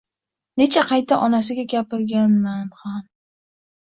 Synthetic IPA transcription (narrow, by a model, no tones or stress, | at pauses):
ne̞t͡ʃʰaqʰɑjt̪ʰaʔɒnasɪɡʲaɡʲapɪɾɡʲanmanham